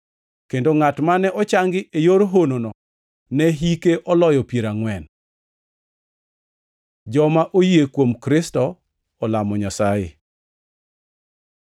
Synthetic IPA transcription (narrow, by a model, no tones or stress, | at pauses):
kendoŋatmanɛʔɔt͡ʃaŋɡɪʔejoɾoɦononɔ | nɛɦikeʔɔlɔjɔpjeɾaŋwɛn | d͡ʒɔmaʔojiekwomkɾɪstɔː | lamɔɲasajḛ